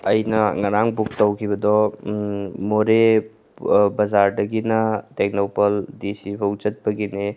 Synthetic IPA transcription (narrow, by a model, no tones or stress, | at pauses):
ɐjnɐŋɐɾaŋbuk̚tɐwkʰiβɐdɔ | moɾe | bɐzaɾdɐɡinɐtek̚nopɐldisipʰɐwt͡ʃɐt̚bɐɡine